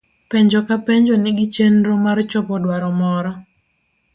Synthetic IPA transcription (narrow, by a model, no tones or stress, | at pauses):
pɛɲd͡ʒɔkapɛɲd͡ʒɔnɪɡɪt͡ʃenɾomart͡ʃɔpɔdwaɾɔmɔɾɔ